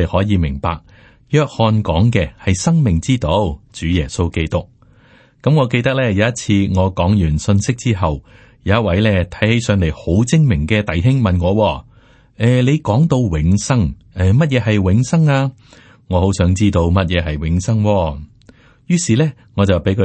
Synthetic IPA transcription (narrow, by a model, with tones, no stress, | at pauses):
e˨hɔː˨˥jiː˨˧mɪ˨˩ŋpa̰ː˨k̚ | jœː˧k̚hɔː˧nkɔː˨˥ŋkɛː˧hɐ˨jsɐ˥ŋmɪ˨˩ŋt͡siː˥t̪o˧˥wt͡ʃyː˨˥jɛː˨˩so˥wke˥jt̪ʊ˥k̚ | kɐ˨˥mŋɔː˨˧ke˧jt̪ɐ˥k̚lɛː˥jɐ˨˧wjɐ˥t̚t͡sʰiː˧ŋɔː˨˧kɔː˨˥ŋjyː˨˩nsɵ˧nsɪ˥k̚t͡siː˥ɦɐ˨w | jɐ˨˧jɐ˥t̚wɐ˨˥jlɛː˥˩t̪ʰɐ˨˥jhe˨˥jsœː˧ŋle˨˩jho˨˥wt͡sɪ˥ŋmɪ˨˩ŋkɛː˧t̪ɐ˨jɦɪ˥ŋmɐ˨nŋɔː˨˧wɔː˧ | ɛː˧le˨˧jkɔː˨˥ŋt̪o˧wwɪ˨˥ŋsɐ˥ŋ | ɛː˨mɐ˥t̚jɛː˨˧ɦɐ˨jwɪ˨˧˥ŋsɐ˥ŋaː˧ | ŋɔː˨˧ho˨˥wsœː˨˥ŋt͡siː˥t̪o˧wmɐ˥t̚jɛː˨˧ɦɐ˨jwɪ˨˥ŋsɐ˥ŋwɔː˧ | jyː˥siː˨˩lɛː˥ | ŋɔː˨˧t͡sɐ˨wpe˨˥jkʰɵ˨˧